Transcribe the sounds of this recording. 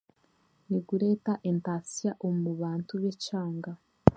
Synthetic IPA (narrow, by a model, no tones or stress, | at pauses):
niɡuɾetaʔentasijaʔomuβaːntuβet͡ʃaːŋɡa